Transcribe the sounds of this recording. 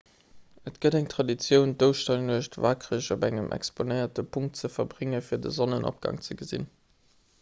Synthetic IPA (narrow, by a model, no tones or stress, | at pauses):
ətɡ̥ədæŋtʁ̥ɑdit͡sjəʊndəʊʃtɑnuəɕtvaːkʁəɕobæŋəmʔɛ̰ksponəɪɐtəpʰuŋk̚tt͡səfɐbʁɪŋəfiːɐdə̰zonənʔo̰p̚ɡ̥ɑ̰ŋt͡səɡəzḭn